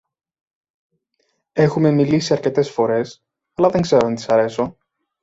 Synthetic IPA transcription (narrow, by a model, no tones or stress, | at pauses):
e̞xume̞milisiɐɾce̞t̪e̞sfo̞ɾe̞s | ɐlɐðeŋɡze̞ɾoɐnt̪i̥sɐɾe̞so̞